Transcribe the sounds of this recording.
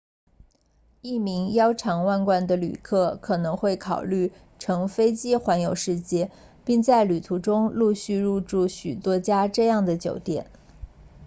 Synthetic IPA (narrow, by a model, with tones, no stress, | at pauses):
i˥˩mi˧˥ŋjɑ˥ʊʈ͡ʂʰɑ˧˥ŋwa˥˧nkwa˥˩nd̪ə˩ly̰˨˩kʰɤ˥˩kʰɤ˨˩nɤ˧˥ŋxwe˥˩ɪkʰɑ˨˩ʊly˥˩ | ʈ͡ʂʰɤ˧˥ŋfe˥ɪt͡ɕi˥xwa˧˥njo˨˩ʊʂɻ̩˥˧t͡ɕjɛ˥˩ | pi˥˧ŋt͡sa˥˩ɪly˨˩t̪ʰu˧˥ʈ͡ʂʊ˥ŋlu˥˧ɕy˥˧ɻu˥˧ʈ͡ʂu˥˩ɕy˨˩t̪wɔ˥t͡ɕja˥ʈ͡ʂɤ˥˧jɑ˥˩ŋd̪ə˩t͡ɕjo̰˨˩ʊt̪jɛ̰˨˩˦n